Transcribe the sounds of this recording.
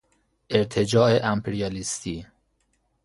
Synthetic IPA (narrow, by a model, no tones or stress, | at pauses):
ʔeɾt̪ʰed͡ʒɒːeʔæmpʰeɾijɑlist̪ʰiː